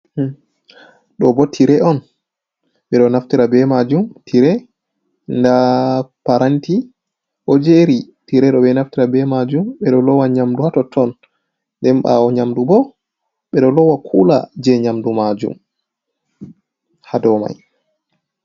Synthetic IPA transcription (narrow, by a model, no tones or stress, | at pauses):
ɗɔbɔtʰiɾɛɔn | ɓɛɗɔnaftiɾabɛmad͡ʒumtʰiɾɛ | ndapaɾanti | ʔɔd͡ʒeɾi | tiɾɛɗɔɓɛnaftiɾabɛmad͡ʒumɓɛɗɔlɔwaɲamduhatɔtʰɔn | ndɛmɓa̰ɔɲamdubɔ | ɓɛɗɔlɔwakʰula̰d͡ʒɛɲamdumad͡ʒṵm | hadɔma̰j